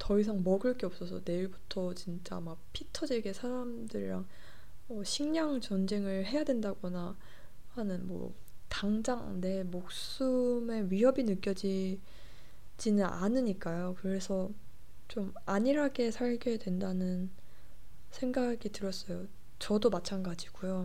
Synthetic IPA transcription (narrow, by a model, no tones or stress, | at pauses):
tʌis̬ʰaŋmʌɡɯɭk͈eʌp̚s͈ʌsʰʌne̞iɭbu̥tʰʌt͡ɕint͡ɕ͈a̰mak̚pʰitʰʌd͡ʑiɭɡe̞sʰaɾamdɯɾɾaŋ | ʌɕʰiŋɲaŋt͡ɕʌnd͡ʑe̞ŋɯɭɦe̞jadwe̞ndaɡʌna | hanɯnmwʌ̰ | taŋd͡ʑaŋne̞mok̚s͈ɯme̞ɥiɦʌbinɯk͈jʌd͡ʑi | d͡ʑinɯnanɯɲik͈ajokɯɾe̞sʰʌ | t͡ɕom | aɲiɾaɡe̞sʰaɭɡe̞dwe̞ndanɯn | sʰe̞ŋɡaɡitɯɾʌs͈ʌjo | t͡ɕʌdomat͡ɕʰanɡad͡ʑiɡ̥ujo